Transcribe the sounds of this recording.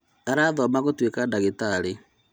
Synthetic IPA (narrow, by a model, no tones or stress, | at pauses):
aɾaːðɔmaɣotwekadaɣetaɾe